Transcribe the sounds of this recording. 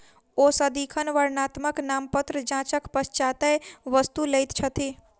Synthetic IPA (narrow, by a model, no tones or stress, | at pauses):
osəd̪ikʰənʋəɾnaːt̪məknaːmpət̪ɾəd͡ʒãːt͡ʃəkpəst͡ʃaːt̪əʋəst̪uləjt̪t͡ʃʰət̪i